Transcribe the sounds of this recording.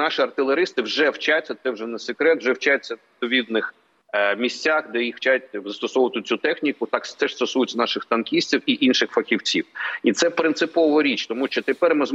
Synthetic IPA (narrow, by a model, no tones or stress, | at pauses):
nɑʃiɐrt̪ɪlˠeɾɪst̪ɪwʒɛwt͡ʃat͡sʲːɐt̪sɛwʒɛnɛsekɾɛt̪wʒɛwt͡ʃat͡sʲːɐ | p̪ɔʋʲid̪nɪx | mʲisʲtʲːaxd̪ɛjixwt͡ʃat̚ʲzɐst̪ɔsɔʋɐt̪ʊt͡sʲut̪ɛxnʲikʊt̪ɑkst̪ɛʂst̪ɔsujʊt͡sʲɐnɑʃɪxt̪ɐnkʲisʲtʲiwiʔinʃɪxfɐxʲiwt͡sʲiwit̪sɛpɾɪnt̪sɪpɔʋɐɾʲit͡ʃt̪ɔmuʃt͡ʃɔt̪epɛrmɪzm